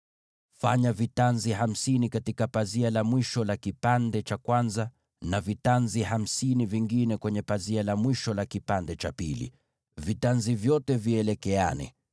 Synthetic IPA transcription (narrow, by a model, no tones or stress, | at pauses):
fa̰ɲavitanziɦam̩sinikatikapazialamwiʃɔlakipandɛt͡ʃakwanza | navitanziham̩siniviŋɡinɛkwɛɲɛpazialamwiʃɔlakipandɛt͡ʃapilḭ | vitanzivjɔtɛviɛlɛkɛa̰nɛ̰